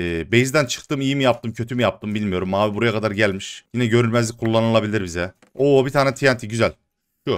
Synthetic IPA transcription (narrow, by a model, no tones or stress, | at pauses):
be̞jizd̪ænt͡ʃʰɯ̥kt̪ɯmijimijap̚t̪ʰɯmcʰø̞t̪ʰymijap̚t̪ʰɯmbilʲmijo̞ɾumːaːvibuɾujakʰad̪aɾɟælʲmiʃjinɛɟø̞ɾylʲmæzlʲikʰulˠːanɯlˠabilʲiɾbizɛ | oːbit̪ʰaːnɛt̪ʰijant̪ʰiɟyzælʲ | ʃu